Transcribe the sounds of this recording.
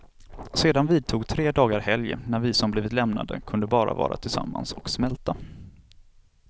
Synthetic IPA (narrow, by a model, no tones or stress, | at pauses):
seːd̪anviːd̪̚t̪ʰuːɡt̪ʰɾeːd̪ɑːɡaɾhɛljə̰næɾvɪsɔmbliːvɪt̪lɛmna̰d̪ə̰kʰɵnd̪əbɑːɾa̰vɑ̰ːɾat̪ʰɪlsa̰mːansɔksmɛlt̪a